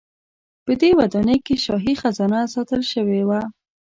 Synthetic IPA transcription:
pəd̪ewad̪ɑnəjkeʃɑɦixazɑnasɑt̪əlʃəwewa

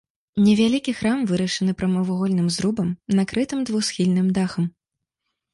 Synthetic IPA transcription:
nʲɛvʲalʲikʲixɾamvɨɾɐʂɐnɨpɾɐmɐvuɣɔlʲnɨmzɾubɐmnakɾɨt̪ɨmd̪vusxʲilʲnɨmd̪axɐm

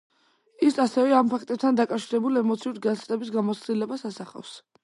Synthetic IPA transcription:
isasɛvɛampʰak̚ʰt̪ʼɛb̚t̪ʰand̪akʼafʃiɾɛbulɛmɔt̪sʰiuɾɡanst̪ʼɛbis̬ɡamɔt̪sʰd̪ilɛbasasaχa̰fs

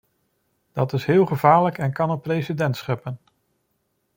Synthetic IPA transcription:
d̥ɑtɪsɦɪːlˠχəvaːɹləkɛnkɑnəprejsidɛntsχɪpən

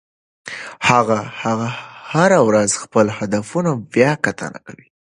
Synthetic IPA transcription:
haɣahaɣahaɾawɾazxpəlhad̪afunawjɑkat̪ʰə̰na̰kawi

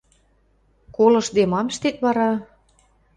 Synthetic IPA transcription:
kolɤ̆ʃd̪emɑmʃt̪et̪βɑɾɑ

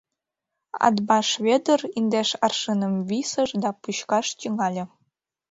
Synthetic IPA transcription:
ɑ̰d̪bɑʃβed̪ərind̪eʃɑrʃɨnə̆mβisə̆ʃd̪ɑpuɕkɑʃt̪yŋɑlʲĕ

